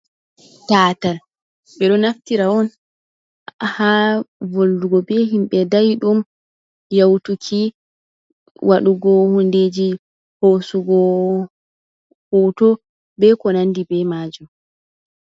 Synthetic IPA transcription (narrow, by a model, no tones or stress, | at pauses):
taːtal | ɓɛɗɔnaftiɾaɔn | havolːuɡɔbɛɦimɓɛdajɗum | jawtukʰi | wʔaɗuɡɔhunded͡ʒi | hosuɡɔ | howtɔ | bɛkɔnandibɛmaːd͡ʒɔm